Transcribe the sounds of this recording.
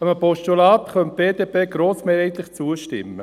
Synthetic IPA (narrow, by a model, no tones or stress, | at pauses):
əməpɔʃtulɑːtχœnt̚b̥eːd̪eːpeːɡɾoːsmeːɾhɛt̪lɪχt͡suəʃtɪ̰mːə